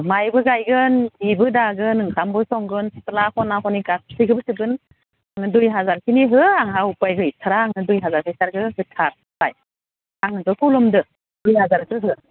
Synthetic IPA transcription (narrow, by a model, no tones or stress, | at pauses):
majbɯɡajɡɯndibɯdaɡɯnɯŋkʰambɯsɔŋɡɯnsɯtalakʰɔnakɔniɡak̚sʰɯɡɯbɯsɯbɯn | aŋnɯdujɦazaɾkʰiniɦɯaŋɦawupajɡɯjtʰɯɾaːŋnɯdujɦazaɾpʰajsaɾɡɯhɯtʰaɾ | taj | aŋɯbɯkʰulɔmdɯ | dujɦazaɾkɯɦɯ